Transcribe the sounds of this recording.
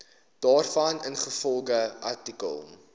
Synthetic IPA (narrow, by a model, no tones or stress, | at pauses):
d̥ɑːrfɐnənχəfɔlˠɡəʔɐ̰rtikə̰lˠ